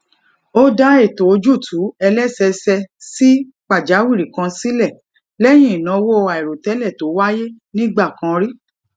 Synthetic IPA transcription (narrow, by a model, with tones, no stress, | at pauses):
o˦da˦e˦˨to˨˦d͡ʒu˦˨tʰu˨˦ɛ˧lɛ˦sɛ˧sɛ˧si˦ | k͡pa˦˨d͡ʒa˨˦wi˦˨ɾi˨kã˧si˦lɛ˦˨ | lɛ˦j̃ĩ˦˨i˨nã˧˨˧wo˦o˧a˨i˨ɾo˨tɛ˨˦lɛ˦˨to˨˦wa˦je˦ | nĩ˦ɡ͡ba˦˨kã˧ɾi˦